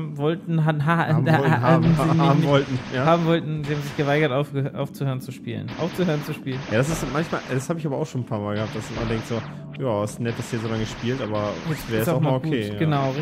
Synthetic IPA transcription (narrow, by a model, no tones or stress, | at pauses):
vɔltn̩ɦaɦaːanznaɪːbm̩vɔltn̩jaːhaːbm̩vɔltn̩zihaːm̩zɪçɡ̥əvaɪɡɐtʔaʊfʔa̰ʊft͡suhøːʁənt͡suʃpḭːlə̰nʔa̰ʊft͡suhøːʁənt͡suʃpiːlənjaːdas̬ɪsmançmaːlʔɛd̥ashaːbəɪçaːbɐaʊxʃoːn̩pʰaːɐmaːlɡəhaːp̚d̥asmandɛŋk̚tz̥oː | jaːɪstnɛt̚d̥asiːɐzoːlaŋəʃpiːltʔaːbɐvɛːʁɛsaʊʊxmːaːloɡkuːeːɡ̥ənaʊ